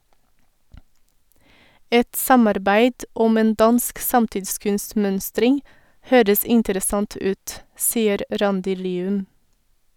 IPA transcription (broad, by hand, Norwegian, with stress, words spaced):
ˈɛt ˈsɑmɑɾˌbæɪd ˈʊm ˈeːn ˈdɑnsk ˈsɑmtɪdˌskʉnstˌmœnstɾɪŋ ˈhøːɾəs ˈɪntəɾəˌsɑnt ˈʉːt ˈsiːəɾ ˈɾɑndɪ ˈliːʉm